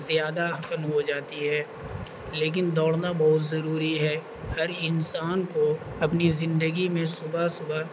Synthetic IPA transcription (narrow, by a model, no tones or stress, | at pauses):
zjaːd̪aɦɐfənɦod͡ʒaːt̪iɦɛː | leːk̬ɪnd̪ɔːɽnabɔɦʊt̪zɐɾuːɾiɦɛ | hɐɾɪnsaːnkoɐpnizɪ̃nd̪əɡimẽsʊbʱasʊba